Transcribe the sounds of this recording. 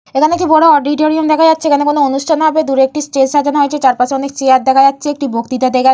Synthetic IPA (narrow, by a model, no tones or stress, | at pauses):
ekʰanekibɔɽoɔɾɖiʈoɾiomd̪ɛkʰajatːɕʰeekʰanekonoonuʃʈʰanɦɔbed̪uɾek̚ʈisʈesʃad͡ʑanaɦoet͡ɕʰet͡ɕaɾpaʃeɔnek̚t͡ɕeat̪̚d̪ɛkʰad͡ʑatːɕʰeek̚ʈibokt̪it̪ad̪eɡa